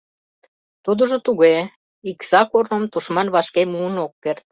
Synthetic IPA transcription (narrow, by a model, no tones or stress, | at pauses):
t̪ud̪ə̆ʒə̆t̪uɣe | iksɑkornə̆mt̪uʃmɑnβɑʃkemuənokːert̪̚